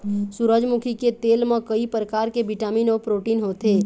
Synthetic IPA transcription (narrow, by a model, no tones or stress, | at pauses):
suɾəd͡ʒmukʰiket̪eːlmẽkəipɾəkaːɾkebiʈaːmiːnɔːɾpɾoːʈiːnɦoːt̪eː